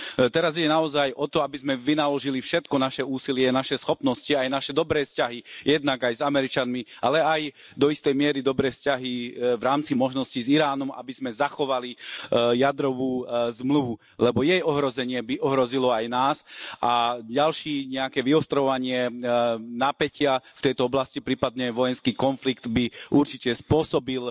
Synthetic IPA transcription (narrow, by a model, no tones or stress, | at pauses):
t̪ɛɾaziɟɛnaɔzajʔɔt̪ɔabizmɛʋinalɔʒilifʃɛt̪kɔnaʃɛuːsilɪɛnaʃɛsxɔpnɔsciajnaʃɛd̪ɔbɾɛːfscaɦijɛd̪̚naɡajzamɛɾit͡ʃanmia̰lɛaj | d̪ɔist̪ɛjmɪɛɾid̪ɔbɾɛːfscaɦivɾaːmt͡simɔʒnɔsciziɾaːnɔma̰bizmɛzaxɔʋalijad̪ɾɔʋuːzmluʋu | lɛbɔjɛjɔɦɾɔzɛɲɪɛbiʔɔɦɾɔzilɔajnaːsʔaɟalʃiːɲɛakɛːʋiɔst̪ɾɔʋaɲɪɛ | napɛcɪaft̪ɛjt̪ɔɔblascipɾiːpad̪̚ɲɛʋɔjɛnskiːkɔnfliɡt̪biuɾt͡ʃicɛspʊɔsɔbil